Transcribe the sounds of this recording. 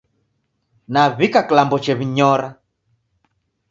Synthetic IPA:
naβikakilambɔt͡ʃɛβiɲɔɾa

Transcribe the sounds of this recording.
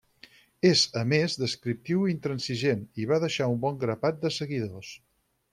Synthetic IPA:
ezəmezðəskɾip̚t̪iwint̪ɾənsiʒeniβaðəʃaumbɔŋɡɾəpat̪̚d̪əsəɣiðos

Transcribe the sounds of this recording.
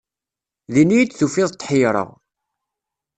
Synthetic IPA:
ðinijid̪θufɪðˤt̪ˤːħijɾˤə̰ʁ

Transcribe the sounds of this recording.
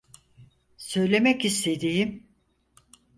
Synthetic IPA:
sø̞jlʲe̞mɛcist̪ʰe̞d̪ijim

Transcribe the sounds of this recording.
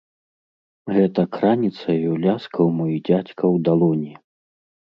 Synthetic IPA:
ɣɛt̪ɐkɾanʲit̪sɐjuwlʲaskʰɐwmɔjid͡zʲat͡sʲkɐwd̪alˠɔnʲi

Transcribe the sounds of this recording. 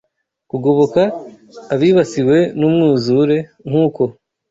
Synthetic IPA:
kuɡoβokaː | βiːβasiwe̞numŋuːzuɾe̞ŋ̥huːko̞

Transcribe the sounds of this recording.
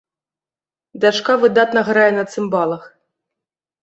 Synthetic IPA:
d̪aʂkavɨd̪at̪nɐɣɾajɛnɐt̪sɨmbɑlˠɐx

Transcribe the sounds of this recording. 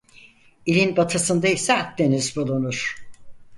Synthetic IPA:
ilʲinbat̪ʰasɯnd̪aisɛat̪̚d̪e̞nizbulˠunuɾ̥

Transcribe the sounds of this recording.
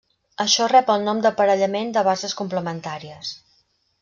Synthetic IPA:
əʃɔrɛpəlˠnɔmd̪əpəɾəʎəmend̪əβ̞azəskumpləmənt̪aɾiəs

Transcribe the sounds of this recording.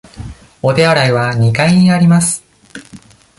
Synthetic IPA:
o̞t̪e̞aɾaiβaɲ̟ikaiɲ̟iaɾʲimasɨ̥

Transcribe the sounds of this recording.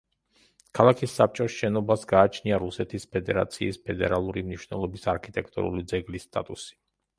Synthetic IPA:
kʰalˠakʰisːap̚t͡ʃʼɔsʃɛnɔbasɡaːt͡ʃʰniaɾusɛt̪ʰispʰɛd̪ɛɾa̰t̪sʰiːspʰɛd̪ɛɾalˠuɾimniʃwnɛlˠɔbisaɾkʰit̪ʼɛk̚ʰt̪ʼṵɾṵlid̪zɛɡlist̪ʼat̪ʼusi̥

